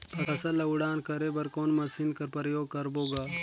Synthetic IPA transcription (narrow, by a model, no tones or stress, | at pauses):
pɐɾɐsɐlɐʊɽaːnkɐɾebɐɾkoːnmɐsinkɐɾpɾɐjoːɡ̚kɐɾboːɡaː